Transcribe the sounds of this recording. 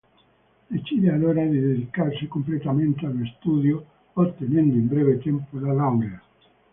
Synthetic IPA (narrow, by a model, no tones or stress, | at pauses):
d̪et͡ʃidealoɾad̪eðeðikarsekomplet̪amẽnt̪ealest̪uðjo | ot̪ːenẽnd̪oimbɾeβet̪empolalaŋɡea